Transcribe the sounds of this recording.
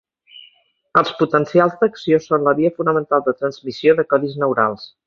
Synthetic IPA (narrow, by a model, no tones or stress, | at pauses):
əlˠsput̪ənsialˠzd̪əksiosonləβiəfunəmənt̪alˠd̪ət̪ɾənzmisioðəkɔðiznəwɾalˠs